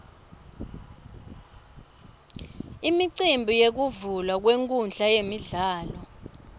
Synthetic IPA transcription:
imiǀimbʱijek̬uvulwak̬weŋkʼunɬajemiɮaːlɔ

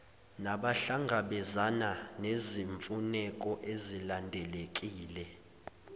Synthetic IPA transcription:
naɓaɬaŋɡʱaɓɛzananeziɱfunɛkʼɔʔezilandʱɛlekʼiːlɛ

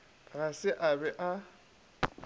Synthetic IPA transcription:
ɣasɪʔabɛʔa

